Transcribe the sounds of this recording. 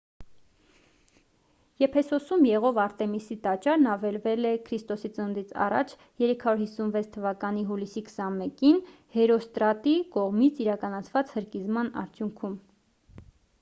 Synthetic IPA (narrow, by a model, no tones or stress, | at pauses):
jɛpʰɛsɔsumjɛʁɔvɑɾt̪ɛmisit̪ɑt͡ʃɑɾnɑvɛlvɛlɛkʰɾist̪ɔsit͡sənənd̪it͡sʰɑ̰rɑ̰t͡ʃʰ | jɛɾɛkʰɑɾuɾhisːunvɛt͡sʰt̪ʰːəvɑkɑniɦulisikʰə̥sɑnmɛkin | hɛɾɔst̪ɾɑt̪ikɔʁmit͡sʰiɾɑkɑnɑt͡sʰvɑt͡shəɾkizmɑnɑ̰ɾt͡sʰjuŋkʰum